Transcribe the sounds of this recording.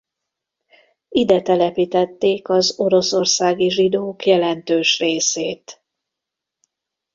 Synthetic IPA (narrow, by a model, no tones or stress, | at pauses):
id̪ɛt̪ɛlɛpit̪ɛt̪ːeːkɒzo̞ɾo̞so̞rsaːɡiʒid̪oːkjɛlɛnt̪øːʃreːseːt̪